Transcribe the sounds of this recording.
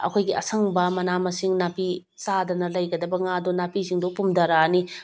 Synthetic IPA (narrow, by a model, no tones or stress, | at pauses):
ɐ̰kʰojɡiɐ̰sɐŋbɐmɐnamɐsiŋnapi | sadɐnɐlɐjɡɐdɐbɐŋadonapisiŋdopumdɐɾani